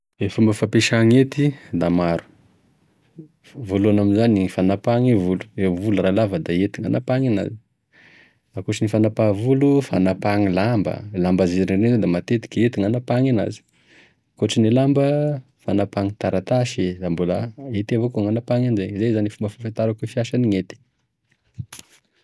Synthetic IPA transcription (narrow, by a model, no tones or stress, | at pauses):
efumbəfapeʃaŋet̪id̪amaɾu̥ | vulanaminzanifanapaŋivulu̥evuluralavəd̪aet̪iŋa̰napaŋina̰zi | akuʈ͡ʂənifanapavulufanapaŋilambə̰lambazininezod̪amat̪et̪i̥kʲiet̪iŋanapaŋana̰zi̥ | koʈ͡ʂinilambə | fanapaŋit̪aɾat̪aʃiambuləet̪avokoŋanapaŋand͡ʒeizezanifumbəfafit̪aɾakufiaʃaniŋet̪i̥